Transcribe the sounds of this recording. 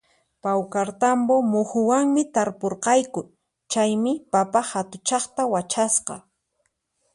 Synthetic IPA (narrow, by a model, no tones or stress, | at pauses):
pawkaɾt̪ambomʊhʊwaŋmɪt̪aɾpoɾqɑjkʊ | t͡ʃajmɪpapahat̪ʊt͡ʃɑχt̪awat͡ʃasqɑ̰